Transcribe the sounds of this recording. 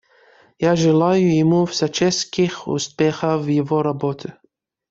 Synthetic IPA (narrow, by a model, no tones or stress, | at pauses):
jaʒɛlajujɛmufsat͡ʃɛskixṵspʲɛxavjɛvɔɾabot̪ʰʲɪ